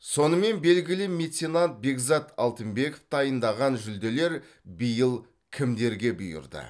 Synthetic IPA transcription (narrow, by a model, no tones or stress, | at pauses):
so̞nəme̞nbe̞lɡʲɪlɪmʲe̞t̪sʲenant̪̚be̞ɡzɑt̪ɑlˠt̪əmbe̞koft̪ɑjənd̪ɑʁɑnʒʏld̪e̞le̞ɾ | bəjəlˠ | kʲʰɪmd̪e̞ɾɡʲe̞bʊjʊ̰ɾd̪ə̰